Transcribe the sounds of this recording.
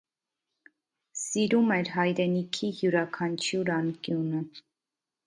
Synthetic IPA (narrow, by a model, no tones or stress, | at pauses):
siɾumɛɾɦɑjɾɛnikʰihjuɾɑkʰɑnt͡ʃʰjuɾɑŋkjunə